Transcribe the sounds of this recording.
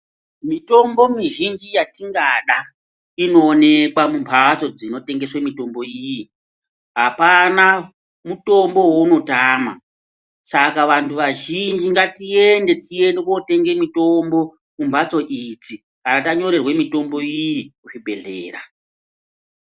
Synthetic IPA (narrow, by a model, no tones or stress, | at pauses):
mito̞mbo̞miʒind͡ʒijatiŋɡaɗa | ino̞ːne̞kwamumpʰat͡so̞d͡zino̞te̞ŋɡe̞swemito̞mboiji | ɦapana | muto̞mbo̞wouno̞taːma̰ | sakaʋantʰuʋaʒind͡ʒiŋɡatie̞nde̞tie̞ndeko̞te̞ŋɡe̞mito̞mbo̞ | mumbʱat͡so̞ʔid͡zi | kanataɲo̞ɾe̞rwe̞mito̞mbo̞ijikuʐibʱe̞̰ɮḛːra̰